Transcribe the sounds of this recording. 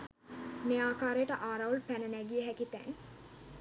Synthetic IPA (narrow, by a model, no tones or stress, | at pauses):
meaːkaːɾejəʈəʔaːɾaulpænənæɡijəɦækit̪æ̰ŋ